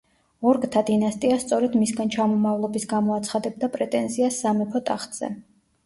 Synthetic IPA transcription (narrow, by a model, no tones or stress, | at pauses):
ɔɾɡʼt̪ʰad̪inast̪ʼiast̪sʼɔɾɛd̪misɡant͡ʃʰamɔmavlˠɔbisɡamɔat̪sʰχad̪ɛb̚d̪apʼɾɛt̪ʼɛnziasːamɛpʰɔt̪ʼaχt̪ʼz̥ɛ̰